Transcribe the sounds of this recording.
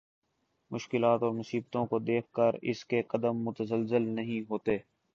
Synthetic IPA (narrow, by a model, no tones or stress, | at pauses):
mʊʃkɪlaːt̪ɔːɾmʊsiːbt̪õkod̪eːkʰkəɾɪ̰skeqɐd̪əmːʊt̪əzəlzɪlnɐɦĩɦoːt̪eː